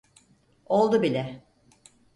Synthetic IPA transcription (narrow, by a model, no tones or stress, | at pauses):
o̞lˠd̪ubilʲɛ